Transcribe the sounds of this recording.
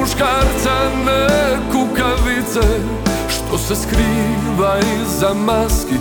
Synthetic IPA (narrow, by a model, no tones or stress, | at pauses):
uʃkaɾt̪sanɛkukaʋit̪sɛ | ʃt̪ʰosɛskɾiː | ʋaizamaski